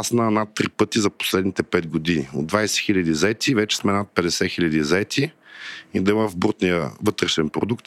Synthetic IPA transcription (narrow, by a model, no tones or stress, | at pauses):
asnənat̪ːɾipɤt̪izɐpo̥slɛd̪nit̪ɛpɛd̪ɡod̪inio̰d̪ːvajsɛ̥xilʲɐd̪izɐɛt̪ivɛt͡ʃɛ̥smɛnat̪̚pɛd̪ɛsɛxilʎʲɐd̪izɐɛt̪i | id̪ɐiməvbut̪nijəvɤt̪ɾɛʃɛnpɾod̪ukt̪